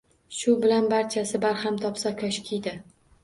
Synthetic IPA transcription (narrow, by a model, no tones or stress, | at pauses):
ʃʊbɪlanbaɾt͡ʃʰasɪbaɾhamt̪ʰɒpsakʲʰaʃkʲʰijd̪ɪ